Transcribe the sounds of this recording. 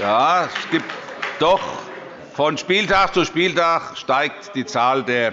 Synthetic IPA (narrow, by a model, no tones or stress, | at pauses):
jaːsɡ̥iːp̚td̥ɔχ | fɔnʃpiːltʰaːχt͡suʃpiːltʰaːχʃtaɪk̚td̥iːt͡saːldeːɐ